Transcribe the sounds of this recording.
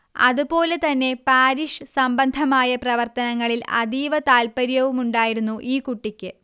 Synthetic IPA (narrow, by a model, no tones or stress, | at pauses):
ɐ̰ðupo̞ːle̞t̪ɐnːe̞paːɾiʂɨsɐmbɐnd̪ʱɐmaːjɐprɐʋɐrt̪ɐnɐŋːɐɭilɐ̰d̪iːʋɐt̪aːlpɐɾjɐʋumuɳɖaːjiɾunːuʔiːkuʈːikʲːɨ